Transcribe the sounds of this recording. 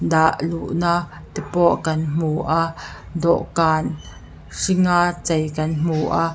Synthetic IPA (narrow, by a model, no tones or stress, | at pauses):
d̪aʔluʔnaʔ | t̪ipɔʔkɐnm̥uʔa | dɔ̰ʔkaːn | ʂiŋaːt͡sɛjkɐnm̥uːʔa